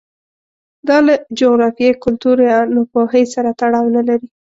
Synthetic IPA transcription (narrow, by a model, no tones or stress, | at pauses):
d̪ɑlad͡ʒoɣɾɑfijejkʊlt̪uɾjɑnʊpoɦəjsaɾat̪aɽɑwnalaɾi